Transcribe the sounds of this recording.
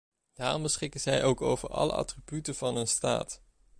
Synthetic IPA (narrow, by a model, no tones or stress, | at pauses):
d̥aːrɔmbəsχɪkənzɛjʔowko̰wvə̰ɹɑ̰lə̰ʔɑ̰tribytəv̥ɑnɦənsta̰ːt